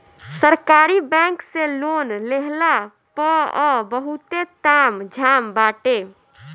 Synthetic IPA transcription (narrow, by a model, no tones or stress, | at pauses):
səɾkaːɾibɛ̃ŋkseloːnleɦla | pɔɔbəɦut̪et̪amd͡ʒʱambaːʈe